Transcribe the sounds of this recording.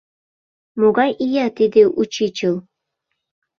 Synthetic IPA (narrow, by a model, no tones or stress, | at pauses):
moɡɑjʔijɑt̪id̪eʔut͡ɕit͡ɕɤ̆lˠ